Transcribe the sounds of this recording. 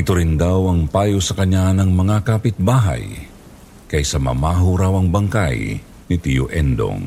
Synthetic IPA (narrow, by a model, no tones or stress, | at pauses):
ɪt̪ʊɾɪnd̪awɐŋpaːjosɐkɐɲanɐŋmɐŋakaːpɪt̪̚baːɦa̰j | kɐjsɐmɐ̰maɦuɾawɐŋbɐŋka̰j | nɪt̪ijo̰ʔɛnd̪o̰ŋ